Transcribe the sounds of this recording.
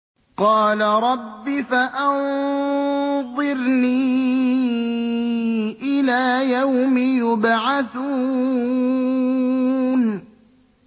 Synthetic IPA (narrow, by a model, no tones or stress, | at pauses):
qɑːlaɾˤɑbːɪfaʔan | ðˤɨɾniː | ʔɪlaːjawmɪjʊbʕaθuː | n